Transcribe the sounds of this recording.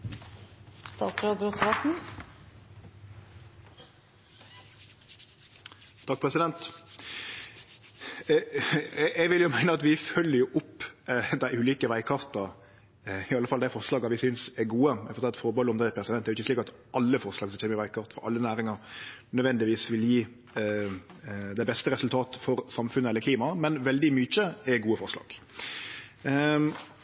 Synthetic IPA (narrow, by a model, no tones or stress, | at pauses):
st̪ɑːsɾɑb̪ɾɔt̪ʰɾɑt̪n̩ | t̪ʰɑk̚pʰʁɛsɪd̪ɛnt̪ | ɛʋɪljʊmæɪnəɑt̪ʋɪfœlːəjʊʔʊpːd̪æɪʉːliːkəʋæɪkʰɑʁt̪ɑ | ɪɑlːəfɑld̪æɪfɔɾʂlɑːɡɑʋɪsʏnsɛɾɡuːəmɛfɔɾt̪ʰɑlɑt̪fɔɾbɔlɔmd̪əpʰɾɛsɪd̪ɛnːɛɾjʊɪçəsliːkɑt̪ʔɑlːəfɔɾʂlɑːɡsɔmt͡ʃʰeːməɾɪʋæɪkʰɑɾt̪fɔɾɑ̰lːənæːɾɪŋɑɾnœd̪ʋɛnd̪ɪʋiːsʋɪljiː | d̪ɛbɛst̪əɾɛsʉlt̪ʰɑːt̪əfɔɾsɑmfʉnːəɛlːəkliːmɑmɛnʋɛld̪ɪmyt͡ʃəɛɡuːəfɔɾʂlɑ̰ːɡ̥